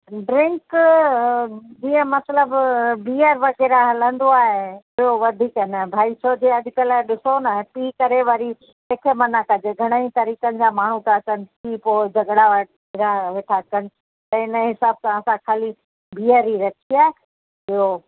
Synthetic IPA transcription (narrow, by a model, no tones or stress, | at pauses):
ɖɾɪ̃ŋk | d͡ʑiːə̃mɐsləbbiːəɾʋɐkɛːɾaɦɐlə̃nd̪oaːɦe | ɪɦoʋɐd̪ʱiːknə̃bʱaːit͡ʃʰoːd͡ʑʱeɐd̪ʱɪkəlaeɗɪsonaɦpiːkɐɾeʋɐɾi | eːkʰemɐnakɐd͡ʑeɡʱɐɽ̃əĩt̪ɐɾiːkənɪ̆d͡ʑamaːɳ̤ut̪aɐt͡ɕənɪ̆ipoːd͡ʑʱɐɡɽaʋɐ | ɾaʋeːʈʰakɐnɪ̆ | t̪ɐ̃ɪnəɦɪsaːb̚sãɐsãkʰaːli | biːəɾiɾɐkʰiaːɦe | ɪɦo